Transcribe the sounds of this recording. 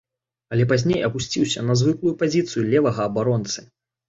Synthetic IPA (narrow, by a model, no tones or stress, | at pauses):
ɐlʲɛp̬azʲnʲejɐpusʲt͡sʲiwsʲɐnɐzvɨklˠujupazʲit̪sɨjulʲɛvɐɣɐːbaɾɔnt̪sɨ